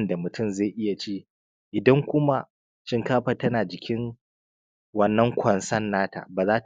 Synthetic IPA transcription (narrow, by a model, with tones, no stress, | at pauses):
nda˨mʊ˨tʰʊ˦˨mza˦˨ʔɪ˦ja˨t͡ʃiː˦ | ʔɪ˨dɐ˦ŋkʷʊ˦ma˦ | ʃɪ˦ŋkaː˦ɸɐ˨tɐ˦naː˨d͡ʒɪ˨kʲɪ˦ŋ | wɐ˦nːɐ˦ŋkʷʰɐ˨nsɐ˦nːaː˦ta̰ː˨baː˨zaː˦t